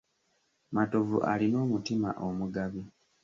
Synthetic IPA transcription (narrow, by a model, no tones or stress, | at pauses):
mato̞vṵʔa̰lino̞ːmutima̰ʔomuɡaβi